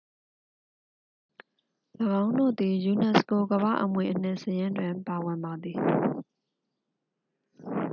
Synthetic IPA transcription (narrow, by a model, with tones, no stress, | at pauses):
ləɡã˦ʊ̃ndo̰˦˨d̪i˨ju˨nɛ˨sko˨ɡəba̰˦˨ʔəmwe˨ʔən̥ɪ̰̃˦˨səjɪ̃˦ndwɪ̃˨mpa˨wɪ̃˨mba˨d̪i˨